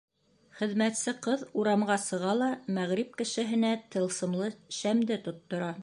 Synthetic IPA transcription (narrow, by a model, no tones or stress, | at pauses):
χɘ̆ðmæt̪sɘqɤðuɾɑmɢɑsɤ̆ʁɑlˠɑmæʁɾip̚kɘ̆ʃɘ̆ɦɘ̆næt̪ɤ̆lˠsɤ̆mlˠɤʃæmd̪ɘt̪ŏt̪ːŏɾɑ